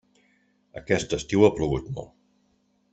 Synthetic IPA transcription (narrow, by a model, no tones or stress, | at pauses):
əkɛst̪əst̪iwəpluɣut̪mɔ̰lˠ